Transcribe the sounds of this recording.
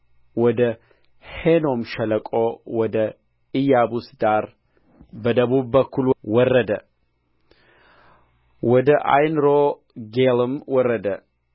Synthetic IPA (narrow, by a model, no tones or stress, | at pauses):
wɔd̪ə | heno̞mʃɛləkʼowɔd̪ə | ɨjabusd̪aɾ | bəd̪əβuβbəkʰːulwɔrːəd̪ə | wɔd̪əʔa̰jnɾo | ɡelɨmwɔrːəd̪ə